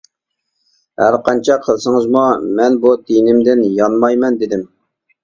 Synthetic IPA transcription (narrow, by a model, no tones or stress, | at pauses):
hæɾqʰɑnt͡ʃʰɑqʰəlˠsəŋəzmumɛnbud̪inɪmd̪ɪnjɑnmɑjmɛnd̪ɪd̪ɪm